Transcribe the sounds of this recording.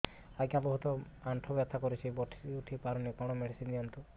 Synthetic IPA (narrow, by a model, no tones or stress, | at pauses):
aɡabɔɦut̪ɔ | aɳʈʰɔbjat̪ʰakoɾit͡ʃʰibɔʈʰuʈʰipaɾɔnikɔɽ̃ɔmeɖisind̪iɔnt̪u